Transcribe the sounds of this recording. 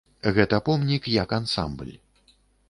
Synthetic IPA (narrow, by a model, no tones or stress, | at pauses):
ɣɛt̪ɐpɔmnʲikjɐkansa̰mblʲ